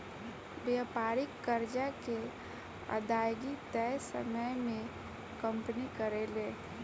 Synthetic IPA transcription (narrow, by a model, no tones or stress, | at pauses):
bjapaːɾɪkːəɾd͡ʒake | ə̰d̪aːjɡit̪ɛjsə̰məjmẽ | kə̃mpnikəɾele